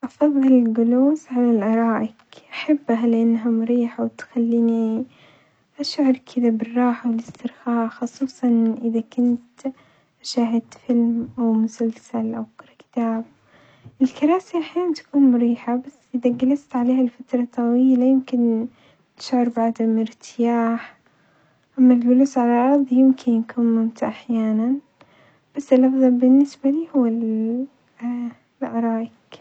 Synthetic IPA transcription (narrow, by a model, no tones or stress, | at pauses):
ʔɑfɑðˤːɨlɪɡʊloːsʕalalʔɑɾˤɑːʔɪkʔaħabːɦalɪʔanːɦamʊɾiːħawɪt̪xalːiːni | ʔaʃʕɪɾkʰɪðabɪrˤːɑːħawɪlɪst̪ɪɾxaːʔxɑsˤuːsˤɑnʔɪðakʊnt̪ | ʔaʃaːɦɪt̪fɪlmʔawmʊsalsalʔawkɑɾˤɑkɪ̥t̪aːb̚ | ʔɪlkɑɾˤɑːsiʔaħjaːnant̪ḁkuːnmʊɾiːħabasːʔɪðaɡalast̪ʕaleːhalfat̪ɾˤɑt̪ˤːɑwiːlajɪmkɪn | t̪ɪ̥ʃʕʊɾbʕad̪amʔɪɾt̪ʰɪjaːħ | ʔamːalɡʊluːsʕalaʔɑɾðˤjɪmkʰɪnjkuːnmmʊmt̪ʔaħjaːnan | b̥asːɪlʔɑfðˤɑlbɪnːɪsbaliːhʊwːal | lʕɑɾˤɑːʔɪk